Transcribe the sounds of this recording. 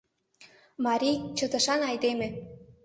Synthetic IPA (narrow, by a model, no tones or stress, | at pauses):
mɑɾʲijt͡ɕə̆t̪ə̆ʃɑnɑjd̪emĕ